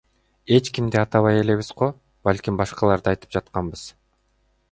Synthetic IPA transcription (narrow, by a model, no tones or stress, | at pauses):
e̞t͡ʃkimd̪iɑt̪ɑβɑje̞le̞βizqo̞ | b̥alʲkʲimbɑʃqɑlˠɑɾd̪ɯɑjt̪ɯ̥p̚d͡ʒɑt̪̚qɑnbɯz̥